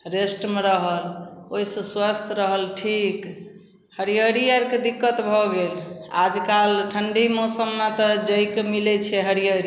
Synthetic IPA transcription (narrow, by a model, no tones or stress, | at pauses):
ɾesʈmeɾəɦəloisə̃swast̪ʰɾəɦəlʈʰik | həɾijəɾiəɾked̪ikːət̪bʱɔɡela̰d͡ʒkalʈʰəɳɖimɔsəmːat̪ɔd͡ʒəjkemilɛt͡ʃʰɛɦəɾijəɾi